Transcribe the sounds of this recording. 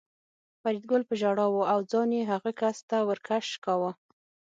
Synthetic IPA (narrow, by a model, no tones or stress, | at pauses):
faɾid̪̚ɡolpəʒaɽɑwuawd͡zɑnjeɦaɣakast̪awəɾkʰaʃkawa